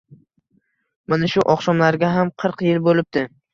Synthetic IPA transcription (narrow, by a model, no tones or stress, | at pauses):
manaʃʊʔɒqsɒmlaɾɡʲaɦamqʰɨɾqjɪlbolɪp̚d̪̥ɪ